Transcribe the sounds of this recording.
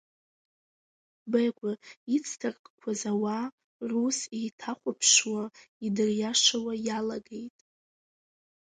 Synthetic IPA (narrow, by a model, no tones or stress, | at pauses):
bajɡʷʼait͡sʰtʰarkʼkʷʰazawa | rusejtʰaχʷapʰʂwaidɨrjaʂawajalaɡe̞jtʼ